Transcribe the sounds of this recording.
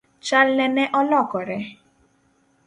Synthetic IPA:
t͡ʃalnɛnɛʔɔlɔkɔɾɛ

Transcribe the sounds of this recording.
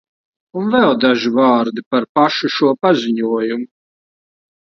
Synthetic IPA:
unvɛlˠd̪aʒivaːɾd̪ipaɾpaʃuʃuɔpazʲiɲuɔjumu

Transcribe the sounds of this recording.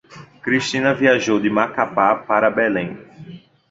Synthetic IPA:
kɾiʃt̪ĩnɐviaʒowd̪ɪmakapapaɾɐbɛlẽj̃

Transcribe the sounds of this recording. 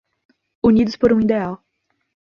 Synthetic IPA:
unid̪ʊspoɾũid̪eaw

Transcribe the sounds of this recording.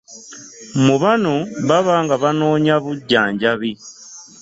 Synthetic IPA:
muβanoβaβaːŋɡaβanoːɲaβuɟːaːɲɟaβi

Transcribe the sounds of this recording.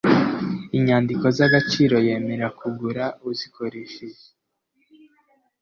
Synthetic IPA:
iɲaːndiko̞zaɡat͡ʃiːɾo̞je̞ːme̞ɾakʰuɡuɾauzikʰo̞ɾeʃeʒe

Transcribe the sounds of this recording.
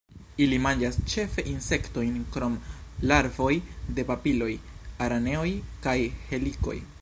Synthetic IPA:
ilimand͡ʒast͡ʃe̞fe̞ʔinse̞kto̞jnkɾo̞mlaɾvo̞jde̞papilo̞jaɾane̞o̞jkajhe̞liko̞̰j

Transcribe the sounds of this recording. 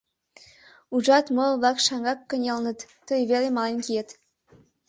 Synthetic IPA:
uʒɑt̪molβlɑkʃɑŋɡɑkːə̆nʲelnə̆t̪ːəjβelʲemɑlenkijet̪

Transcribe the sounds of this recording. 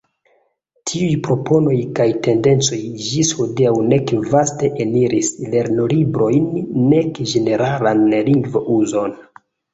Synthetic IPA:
tʰiujpɾo̞pʰo̞no̞jkajte̞nde̞nt͡so̞jd͡ʒishodiawne̞kvaste̞ʔeniɾisle̞ɾnolibɾo̞jnːe̞kd͡ʒe̞ne̞ɾalanliŋɡvoʔuzo̞n

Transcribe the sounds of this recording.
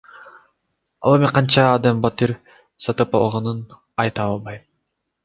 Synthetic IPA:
ɑ̰lˠemeqʰɑnt͡ʃɑːd̪ɑmbɑt̪iɾ | sɑt̪ɯpɑ̰lˠʁɑnɯn | ɑjt̪ɑɑlˠbɑjm

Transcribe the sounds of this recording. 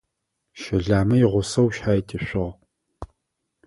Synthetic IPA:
ʃɐɮaːmɐjɪʁʷʊsɐwʃħaːjtʼʰɨʃʷɪʁ

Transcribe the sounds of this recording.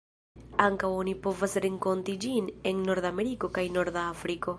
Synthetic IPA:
aŋkawonipo̞vasɾeŋko̞ntid͡ʒinenːo̞ɾd̪ameɾiko̞kajno̞ɾdaafɾiko̞

